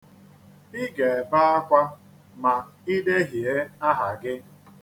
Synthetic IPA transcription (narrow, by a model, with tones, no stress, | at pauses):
ɪ˦ɡe˨e˨ba˦a˦kʷa˦ | ma˨i˦de˦ɦi˨e˦a˦ɦa˨ɡɪ˦